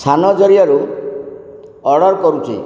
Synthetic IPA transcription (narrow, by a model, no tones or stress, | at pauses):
sʰanɔd͡ʒɔɾijaɾu | ɔɽɔɾkɔɾut͡ʃʰḭ